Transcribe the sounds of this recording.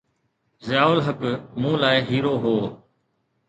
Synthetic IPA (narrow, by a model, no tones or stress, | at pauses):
zɪjaːʊlɦəkmũːlaːɪɦiːɾoːɦoː